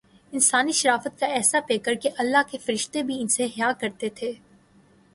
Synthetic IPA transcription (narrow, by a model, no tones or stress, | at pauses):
ɪnsaːniʃɐɾaːfət̪̚kaɛːsapeːkəɾkeʔɐlːaɦkefɐɾɪʃt̪ebʱiɪnseɦɪjaːkɐɾt̪et̪ʰeː